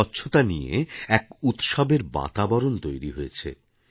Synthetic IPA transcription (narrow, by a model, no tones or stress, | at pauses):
ɔtːɕʰot̪aniḛɛkut̪ʃɔbeɾba̰t̪abɔɾont̪ojɾiɦoet͡ɕʰḛ